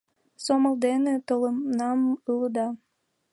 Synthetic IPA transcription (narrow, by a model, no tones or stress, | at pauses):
soməld̪enet̪ələmnɑmɯləd̪ɑ